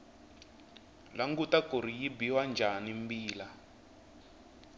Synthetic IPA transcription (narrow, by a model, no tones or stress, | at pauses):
laŋɡutakoɾ̤ijibiwand͡ʒʱanimbiːla